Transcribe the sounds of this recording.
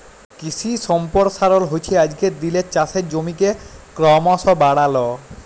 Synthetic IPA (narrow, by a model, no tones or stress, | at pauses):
kisʰisɔmpɔɾsaɾolɦojt͡ɕʰead͡ʑkeɾd̪ilet͡ɕaseɾd͡ʑomikekɾɔmasɔbaɽalɔ